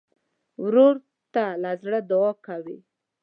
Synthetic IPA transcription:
wɾoɾ | t̪alazɽəd̪awɔkawi

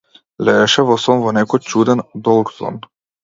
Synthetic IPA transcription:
lɛɛʃɛvɔsɔmvɔnɛkɔjt͡ʃud̪ɛnd̪ɔlˠɡzɔ̰n

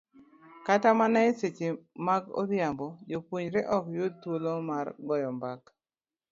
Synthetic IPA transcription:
katamanaeset͡ʃemaɡo̰djambɔd͡ʒopwuɲɾeʔɔkjod̚t̪wolomarɡɔjɔmbak

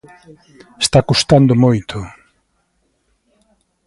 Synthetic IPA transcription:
est̪akust̪and̪ʊmojt̪ʰʊ

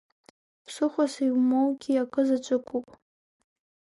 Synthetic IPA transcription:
pʰsɨχʷasajwmowɡʲiakʼɨzat͡ʃʷʼɨkʷʼupʼ

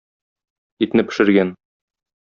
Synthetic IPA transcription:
it̪̆nɘpɘ̆ʃɘ̆ɾɡæn

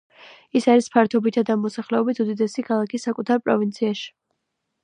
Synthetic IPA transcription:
isaɾispʰaɾt̪ʰɔbit̪ʰad̪amɔsaχlɛɔbit̪ʰud̪id̪ɛsikʰalˠakʰisːakʼut̪ʰaɾpʼɾɔ̰vint̪sʰiaʃi̥

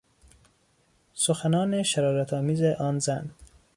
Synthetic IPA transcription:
soxænɒːneʃæɾɒːɾæt̪ʰɒːmiːzeʔɒːnzæn

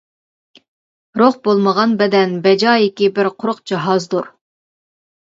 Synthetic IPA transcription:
ɾoχbolˠməʁɑnbɛd̪ɛnbɛd͡ʒɑːjɪkʲibɪɾqʰʊɾʊqd͡ʒɑɦɑzd̪uɾ

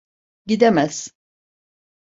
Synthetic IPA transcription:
ɟid̪emɛz̥

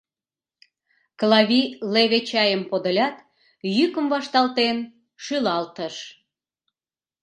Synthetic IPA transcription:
klɑβileβet͡ɕɑjəmpod̪əlʲɑt̪ | jykəmvɑʃt̪ɑlt̪en | ʃylɑlt̪əʃ

